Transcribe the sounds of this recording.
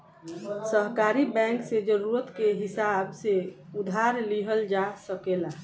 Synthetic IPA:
səɦkaɾibɛ̃ŋksed͡ʒəɾuɾət̪keɦisabseud̪ʱaɾliɦəld͡ʒasəkela

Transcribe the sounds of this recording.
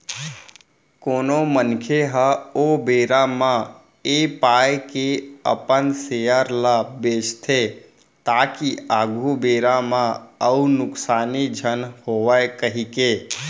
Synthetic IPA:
koːnomənkʰeɦəobeːɾamã | epaːjkeə̰pənsejəɾlabeːt͡ʃt̪ʰe | t̪aːkiaːɡʱubeːɾamãəunʊksaːnid͡ʒʱənhoːʋaekəɦikeː

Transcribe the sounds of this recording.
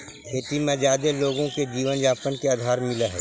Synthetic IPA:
kʰeːʈimẽd͡ʒjaːd̪eloːɡõked͡ʒiːʋənd͡ʒaːpənkeaːd̪ʱaːɾmɪlaɦɛ̰ː

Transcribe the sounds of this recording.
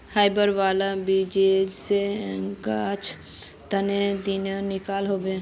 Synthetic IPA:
haːɪbəɾʋaːlabid͡ʒed͡ʒseɡaːt͡ʃʰ | t̪əned̪inanɪkaːlɦoːbẽː

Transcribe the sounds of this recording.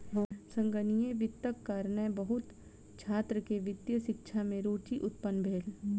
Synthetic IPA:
sə̃ŋɡənijeʋɪt̪ːəkːaːɾnəbɐɦʊt̪ | t͡ʃʰaːt̪ɾəkeʋɪd̪jəʃɪkʃʰamẽɾoːʈiʔʊt̪pənbʱeːl

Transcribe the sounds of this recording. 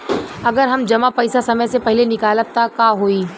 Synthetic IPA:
ɐɡəɾɦɐmd͡ʒɐmapɐɪsasɐməjsepɐɦɪlenɪkaːləp̚t̪akaːɦoːiː

